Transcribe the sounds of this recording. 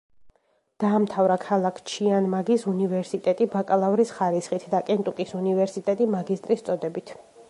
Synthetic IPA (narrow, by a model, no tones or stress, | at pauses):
d̪̥aːmt̪ʰavɾakʰalˠakʰt͡ʃʰianmaɡisunivɛɾsit̪ʼɛt̪ʼibakʼlˠavɾisχaɾisχit̪ʰd̪akʼɛnt̪ʼukʼisunivɛɾsit̪ʼɛt̪ʼimaɡist̪ʼɾist̪sʼɔd̪ɛbit̪ʰ